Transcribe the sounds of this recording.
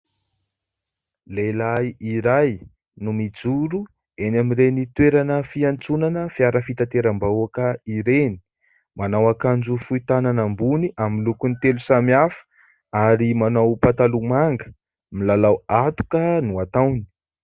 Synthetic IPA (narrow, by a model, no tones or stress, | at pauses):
lelaiiɾaj | numid͡zuɾu | enamiɾenit̪weɾanəfiant͡sunanəfiaɾəfit̪at̪eɾambauakəiɾeni̥ | manawakand͡zufuit̪ananambuniʔamilukunit̪elusamiafə̥ | aɾimanawpat̪alumaŋɡə̥ | milalawat̪u̥kənuat̪awni̥i